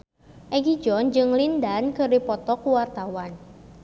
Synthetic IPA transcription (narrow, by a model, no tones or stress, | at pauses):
ʔɛɡid͡ʒɔnd͡ʒɨŋlindankɨrdipɔt̪ɔkuwart̪awan